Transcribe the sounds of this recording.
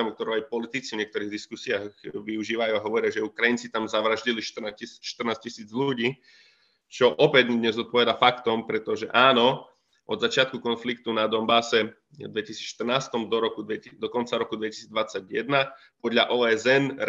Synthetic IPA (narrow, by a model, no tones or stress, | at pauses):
ɛmuk̚t̪ɔɾɔajpɔlit̪it͡sivɲɪɛkt̪ɔɾiːɣd̪iskusiaɣʋiuʒiːʋajuaɦɔʋɔɾɪaʒɛukɾajint͡sit̪amzaʋɾaʒɟiliʃt̪rnacisi̥ːʃt̪rnaːscisiːd͡zʎuɟiː | t͡ʃɔʔɔpɛdd̪ɲɛzɔt̪̚pɔʋɛd̪afakt̪ɔmpɾɛt̪ɔʒɛʔaːnɔ | ʔɔd̪zat͡ʃɪat̪̚kukɔnflik̚t̪unad̪ɔmbasɛ | d̪ʋɛcisiːt͡sʃt̪ər̩naːst̪ɔmd̪ɔɾɔkud̪ʋɛd̪ɔkɔnt͡saɾɔkud̪ʋɛci̥siːd͡zd̪ʋat͡saɟjɛ̰d̪na | pɔd̪ʎaʔɔːɛzɛnɾ